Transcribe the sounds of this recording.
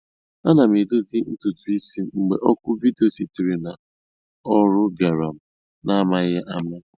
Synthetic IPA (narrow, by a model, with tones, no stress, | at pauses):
a˦na˨m˨i˨do˦zi˦n̩˦tu˨tu˨i˦si˦ŋ͡m̩˨ɡ͡bḛ˨ʔɔ˦kʊ˦vi˦de˨o˨si˨ti˨ɾi˨na˨ | ɔ˦ɾʊ˦ɡa˨ɾa˨m̩˦ | na˦ma˦ɣa˦ʔa˦ma˦